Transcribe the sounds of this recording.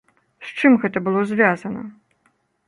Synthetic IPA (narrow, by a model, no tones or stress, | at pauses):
st͡ʂɨmɣɛt̪ɐbɨlˠɔzʲvʲazɐnɐ̰